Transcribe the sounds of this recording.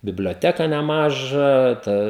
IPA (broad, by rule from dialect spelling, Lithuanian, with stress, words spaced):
bʲɪbʲlʲoːˈtʲæːkɐ nʲɛˈmɑːʒɑː ˈtɐ